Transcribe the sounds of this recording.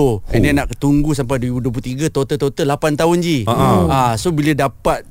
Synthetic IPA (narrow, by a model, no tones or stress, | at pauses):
oḭninaʔt̪uŋɡusampajduibuduəplut̪iɡat̪ot̪ət̪ot̪əlapant̪aʊnd͡ʒiaasobilədapat̪̚